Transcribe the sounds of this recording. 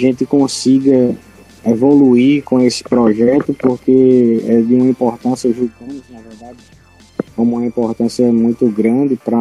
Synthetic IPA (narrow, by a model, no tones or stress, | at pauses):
ʒẽt̪ɪkõsiɡɐ | evoluiɾkõesɪ̥pɾɔʒɛt̪ʊpoɾkeɛd̪ɪũmɐĩpoɾt̪ɐ̃sjɐʒuɡɐ̃nʊznɐvɛɾd̪ad̪ɪ | kõmũmɐ̃ĩpoɾt̪ɐ̃siɐmũj̃t̪ʊɡɾɐ̃d̪ɪpɾɐ